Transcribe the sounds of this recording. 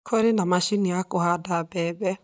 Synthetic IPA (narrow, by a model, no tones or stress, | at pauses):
kʰoɾendamaʃiniakohadabɛbɛ